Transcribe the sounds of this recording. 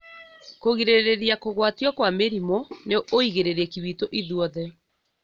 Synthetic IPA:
koɣiɾeɾeɾiakoɣwatiwakwameɾimoneʔoiɣeɾeɾɛkiβitoʔiðwɔðɛ

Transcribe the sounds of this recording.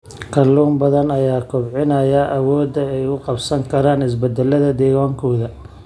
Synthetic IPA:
kʰɐlːuːmbɐðɐnɐjaːkʰʊbʕɪnɐjɐʔɐwɔːd̪ɐɛjʊqɑbsɐŋkʰɐɾaːnɪs̬bɐd̪ɛlːɐðɐd̪ɛːɣɔːŋkʰɔːðɐ

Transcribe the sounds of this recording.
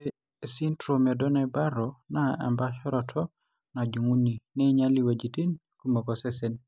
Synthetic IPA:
esintɾomedɔnɛbaɾɔnaa̰mbaʃɔɾɔtʰɔ | nad͡ʒuŋuninɛɲaliwad͡ʒitin | kumokɔsɛsen

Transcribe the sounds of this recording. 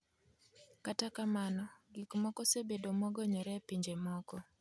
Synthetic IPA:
katakamanɔɡikmɔkɔsebedomɔɡɔɲɔɾɛpiɲd͡ʒemɔkɔ

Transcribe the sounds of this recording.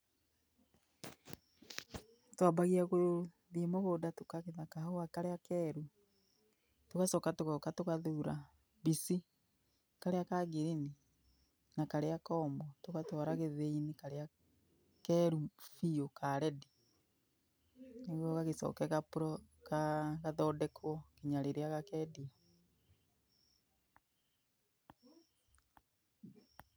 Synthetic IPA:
twabaɣiaɣo | ðimoɣodatokaɣeðakahoakaɾeakɛɾu | tokasɔːkatoɣɔkatokaðuɾa | βisi | kaɾeakaɡiɾini | nakaɾeakɔmbɔtoɣatɔɾaɣeðeinikaɾea | kɛɾufiokaɾɛdi | neɣwɔɣaɣesɔ̰ːkɛɣapuɾɔkaɣaðɔdɛkʰwɔkiɲaɾeɾeaɣakɛːdia

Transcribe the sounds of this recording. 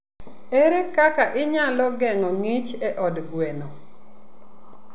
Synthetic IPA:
eɾekakaʔɪɲalɔɡɛŋɔŋit͡ʃɛʔɔdɡweno

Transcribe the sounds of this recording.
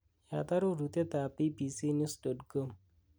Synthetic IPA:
jat̪aɾoɾut̪et̪aːpipisinjusɖɔʈkom

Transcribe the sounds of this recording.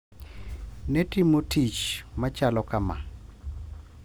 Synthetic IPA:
netimotʰit͡ʃmat͡ʃalɔkama̰

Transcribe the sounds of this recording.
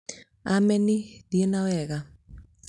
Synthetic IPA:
amɛnɪdienawɛɣa

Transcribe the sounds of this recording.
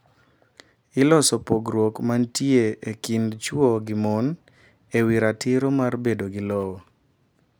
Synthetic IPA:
ɪlɔsɔpoɡɾwokmantjeekindt͡ʃwɔɡɪmɔn | ewiɾatɪɾomarbedoɡɪlɔwɔ

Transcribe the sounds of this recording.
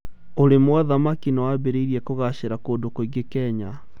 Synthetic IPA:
oɾemwaðamakinawabeɾeiɾiɛkoɣaɕeɾakoːndokoiɡekɛːɲa

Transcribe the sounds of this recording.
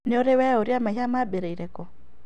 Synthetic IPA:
neoɾewɛoɾjamaiɦamabeɾeiɾɛkɔ

